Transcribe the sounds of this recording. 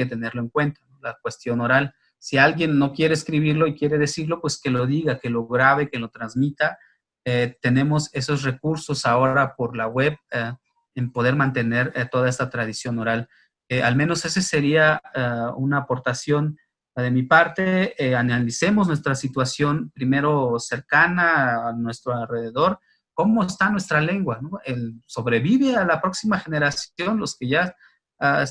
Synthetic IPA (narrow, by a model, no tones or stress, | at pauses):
et̪e̞ne̞ɾlo̞eŋkwe̞nt̪anolak̚we̞st̪jo̞no̞ɾal | sialɣje̞nːo̞kje̞ɾeːskɾiβ̞iɾlo̞ikje̞ɾe̞ðe̞siɾlo̞pwe̞ske̞lo̞ðiɣake̞lo̞ɣɾaβe̞ke̞lo̞t̪ɾanzmit̪a | et̪e̞nẽ̞mo̞se̞so̞sre̞kuɾso̞sao̞ɾapo̞ɾlaɣwe̞β | empoð̞e̞ɾmãnt̪e̞ne̞ɾt̪o̞ðae̞st̪at̪ɾað̞isjo̞no̞ɾal | eʔalmẽno̞se̞sese̞ɾiaaunaːpo̞ɾt̪asjo̞n | ðe̞mipaɾt̪e̞eanalise̞mo̞znwe̞st̪ɾasit̪wasjo̞npɾime̞ɾo̞se̞ɾkanaanwe̞st̪ɾoalre̞ðe̞ðo̞ɾ | ko̞mo̞est̪anwe̞st̪ɾale̞ŋɡwano̞elso̞βɾe̞βiβe̞alapɾo̞ksimaxe̞ne̞ɾasjo̞nlo̞ske̞ʝa | aes